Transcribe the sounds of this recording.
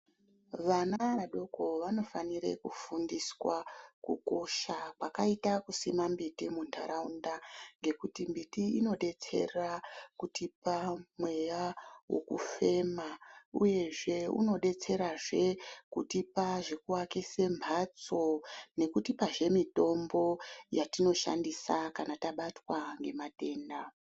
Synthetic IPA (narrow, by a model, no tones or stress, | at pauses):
ʋanaaɗo̞ko̞ʋano̞faniɾḛkufundiswakuko̞ʃakwakaitakusimambitimundʱa̰ɾaundaŋɡe̞kutimbitiino̞ɗe̞t͡se̞̰rakutipamwe̞jawo̞̰kṵfe̞maṵje̞ʐe̞ṵno̞ɗe̞t͡se̞ɾaʐe̞kutipaʐekuwakese̞mbʱat͡so̞ne̞kutipaʐe̞mito̞mbo̞jatino̞ʃa̰ndisakanataɓatwaŋɡe̞mate̞ːnda